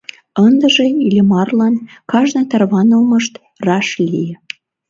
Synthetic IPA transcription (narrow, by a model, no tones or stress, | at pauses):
ənd̪ə̆ʒeilʲemɑrlɑnkɑʒnɑt̪ɑrβɑnəlmɤ̆ʃt̪ | rɑʃlʲijə